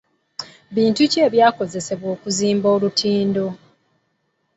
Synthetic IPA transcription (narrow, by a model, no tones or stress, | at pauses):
βiːntuce̞ːβjaːko̞ze̞se̞βwo̞ːkuziːmboːlutʰiːndo̞